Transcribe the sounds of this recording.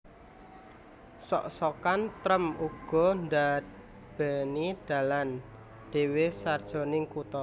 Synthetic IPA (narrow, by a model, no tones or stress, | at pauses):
sɔ̰ʔsɔkant̪ɾəmuɡ̥ɔ̤nda | b̥ɛnid̥a̤lan | ɖ̥e̤wesard̥ʒ̥o̤nɪŋkut̪ɔ